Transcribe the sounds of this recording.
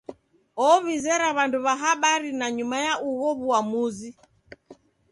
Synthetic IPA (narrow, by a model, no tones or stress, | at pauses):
ɔβizɛɾaβanduβaɦaɓaɾinaɲumajaʔuɣɔβuamuzi